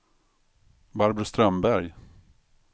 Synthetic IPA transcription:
baɾbɾəst̪ɾœmbæɾj

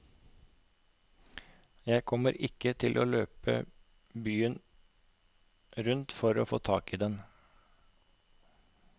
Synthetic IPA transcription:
jæɪkʰɔməɾɪkət̪ʰɪlʔo̰ːløːpə̰ | byːən | ɾʉnt̪fɔɾo̰ːfoːt̪ʰɑːkiːd̪ɛn

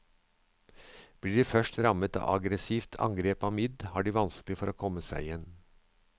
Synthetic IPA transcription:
b̥liːɖiːfœʃʈɾɑmət̪ɑ̰ːʔɑ̰ɡɾəsiːft̪ʰɑ̰ŋɡɾeːpɑːmɪd̪hæːɖiːʋɑnsklɪfɔɾoːkʰɔməsæɪjɛn

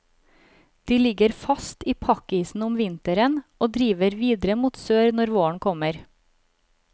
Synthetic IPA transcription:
d̪̥iːlɪɡəɾfɑst̪iːpʰɑkiːsn̩ʊmʋɪnt̪əɾənoːd̪ɾiːʋəɾʋiːd̪ɾəmuːt̪søːɾnɔɾʋoːəɳkʰɔməɾ

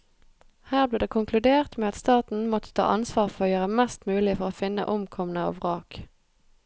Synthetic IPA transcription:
hæːʁbliːʁd̪eːkʰʊŋkʰlʉd̪eːʁt̪meːɑt̪st̪ɑːt̪n̩mɔt̪ə̥t̪ʰɑ̰ːʔɑnsʋɑːʁfɔʁoːjøːʁəmɛst̪mʉːlɪfɔʁoːfɪnːə̰ʔʊmkʰɔmənəɑ̰ːʋʁɑːk

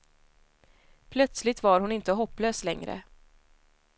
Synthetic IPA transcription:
pʰlœt̪slɪt̪vaɾhʊnɪnt̪əɦɔpːløːslɛŋɾə̰

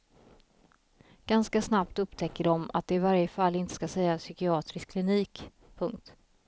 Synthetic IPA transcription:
ɡ̥anskasnapt̪ɵpt̪ʰɛkːəɖɔma̰t̪̚d̪ɛɪvaɾjəfalːɪnt̪ə̥skasɛjːasʏkɪɑːt̪ɾɪskʰlɪniːk | pʰɵŋkt̪

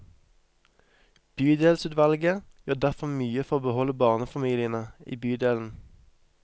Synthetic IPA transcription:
b̥yːd̪eːlsʉːt̪ʋɑlɡəjøːd̪æʁfɔmyːəfɔʁoːbəhɔləbɑːʁnəfɑmiːlɪənəḭːbyːd̪eːln̩

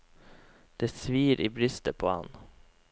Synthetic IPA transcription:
d̪̥eːsʋiːɾʔiːbɾʏst̪əpʰoːhɑn

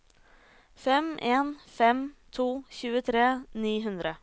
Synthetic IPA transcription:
fɛmʔeːnfɛmt̪ʰuːçʉːət̪ʰɾeːniːɦʉnd̪ɾə

